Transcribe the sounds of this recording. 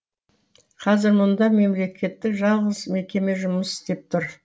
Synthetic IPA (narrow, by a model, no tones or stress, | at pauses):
qʰɑzɪɾmʊnd̪ɑme̞mle̞kʲʰe̞t̪ːɪkʒɑlˠʁəzme̞kʲe̞me̞ʒʊməsɪ̥st̪e̞p̚t̪ʰʊɾ